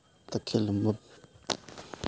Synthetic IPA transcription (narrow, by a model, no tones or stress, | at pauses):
t̪əkʰelməp̚